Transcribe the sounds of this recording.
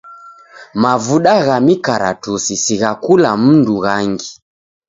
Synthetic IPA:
mavuɗaɣamikaɾatusisiɣakulam̩nduɣaŋɡi

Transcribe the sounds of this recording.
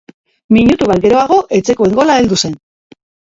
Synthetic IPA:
miɲut̪uβ̞at̪ɡe̞ɾo̞aɣ̞o̞ʔe̞t͡se̞koe̞ŋɡo̞lae̞ld̪use̞n

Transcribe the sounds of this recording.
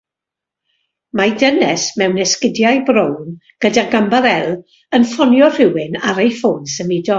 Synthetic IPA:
madənɛsmɛwnɛskɪdjajbɾownɡ̥ədaɡambaɾɛlˠ | ənfɔnjɔr̥ɪwɪnaɾejfoːnsəmɪdɔ

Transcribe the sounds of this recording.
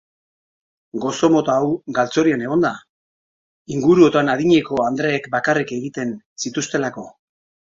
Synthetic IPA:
ɡo̞so̞mo̞t̪aːwɡalt͡so̞ɾiane̞ɣ̞o̞nd̪a | iŋɡuɾuo̞t̪anaðiɲe̞ko̞and̪ɾe̞ːkbakarike̞ɣit̪e̞n | sit̪ust̪e̞lako̞

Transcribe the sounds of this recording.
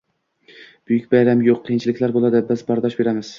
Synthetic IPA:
b̥ʊjykʲbajɾamjoqʰːɨjɪnt͡ʃʰɪlɪkʲlaɾbolˠad̪ɪbɪzbɒɾd̪ɒʃbe̞ɾamɪz̥

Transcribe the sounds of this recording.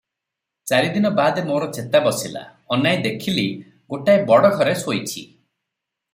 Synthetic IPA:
t͡ʃaɾid̪inɔbad̪emoɾɔt͡ʃet̪abɔsila̰ | ɔnajed̪ekʰili | ɡoʈaebɔɽɔɡʱɔɾesojt͡ʃʰḭ

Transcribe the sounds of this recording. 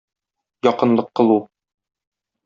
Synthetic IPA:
jɒqɤ̆nlˠɤqːɤ̆lˠu

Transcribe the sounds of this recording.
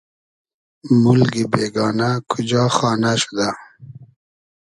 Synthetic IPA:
mulɡibeːɡɑːnakʰʊd͡ʒɑːxɑːnaʃu̥d̪a

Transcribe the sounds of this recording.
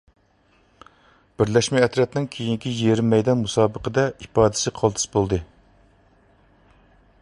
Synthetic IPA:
b̥ɪɾlɛʃmɛːt̪ɾɛt̪nɪŋkʲʰejiŋkʲijeɾɪmːɛjd̪ɛnmusɑːbəqəd̪ɛipɑːd̪ɪ̥sɪqʰɑlˠt̪ʰɨ̥sbolˠd̪ɨ

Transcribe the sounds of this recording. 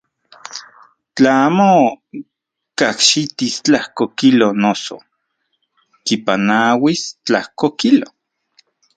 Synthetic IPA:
t͡ɬaaːmo | kahʃit̪ist͡ɬahkokilonoso̰ | kipanawist͡ɬahkokilo

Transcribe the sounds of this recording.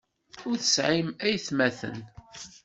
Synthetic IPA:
ʊɾθəsʕimæjθmæθə̰n

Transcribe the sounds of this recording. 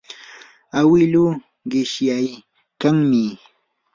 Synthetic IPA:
awɪlu | ɢɪʃjaj | kaŋmɪ

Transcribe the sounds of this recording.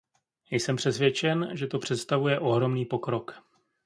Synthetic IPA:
jsɛmpr̥ɛsvjɛt͡ʃɛnʒɛt̪o̞pr̥ɛt̪st̪avujɛʔo̞ɦɾo̞mniːpo̞kɾo̞k

